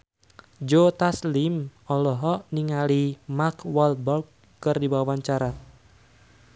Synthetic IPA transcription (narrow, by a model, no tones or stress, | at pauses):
d͡ʒot̪aslimɔlɔɦɔʔniŋalimakwɔlbɔkː | ɨrdiwawaɲt͡ʃaɾa